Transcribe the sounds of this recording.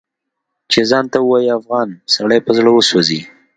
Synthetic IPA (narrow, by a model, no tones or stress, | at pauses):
t͡ʃezɑnt̪awəwɑjiafɣɑnsaɽajpəzɽəwəswozi